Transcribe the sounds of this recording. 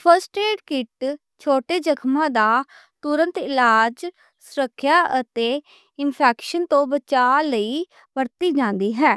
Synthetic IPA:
pʰəɾsʈeːɖkɪʈ | t͡ʃʰoːʈeːd͡ʒəkʰmãːd̪aː | t̪ʊɾə̃nt̪ɪlaːd͡ʒ | sʊɾəkʰːjaːʔət̪eː | ɪnpʰɛːkʃənt̪õːbət͡ʃaːləiː | bəɾt̪iːd͡ʒãːnd̪iːɦɛː

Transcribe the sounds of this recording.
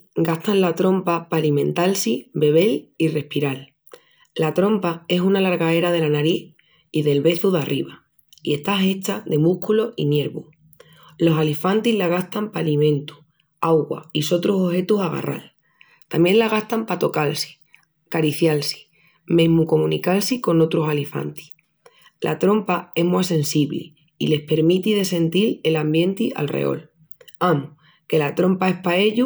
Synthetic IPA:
ɡast̪anlat̪ɾo̞mpapalimẽ̞nt̪alsibe̞βe̞lire̞hpiɾalː | at̪ɾo̞mpae̞sunalaɾɣae̞ɾað̞e̞lanaɾiθ | iðe̞lβe̞θuðarʔiβa | ie̞ht̪ae̞t͡ʃaðe̞muhkulo̞ʔḭnje̞ɾβṵ | lo̞salifant̪iɦlaɣ̞ast̪ampalimẽ̞nt̪u̥ | awɣwa̰iso̞t̪ɾusohe̞t̪usaɣ̞a̰rʔa̰l | t̪amjẽ̞nlaɣaht̪ampat̪o̞kalsi̥ | kaɾiθjalsi̥ | me̞ɦmuko̞mũnikalsiko̞no̞t̪ɾosalifa̰nt̪i̥ | lʔa̰t̪ɾo̞mpae̞ɦmwase̞nsiβlḛ | ile̞hpe̞ɾmit̪iðe̞se̞nt̪ile̞lambje̞nt̪ia̰lrḛo̞̰l | amu | ke̞lat̪ɾo̞mpae̞hpae̞ʎu

